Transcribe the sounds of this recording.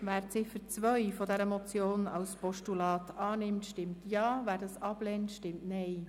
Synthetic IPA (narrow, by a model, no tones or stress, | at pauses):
væːɾt͡sɪfəɾt͡sʋœjfɔdɛɾəmɔt͡sjoːnɑlspɔʃtulɑːt̪ʰɑːnɪmtʃtɪmtjɑːvæːɾdɑsɑb̥lɛntʃtɪmtnɛɪ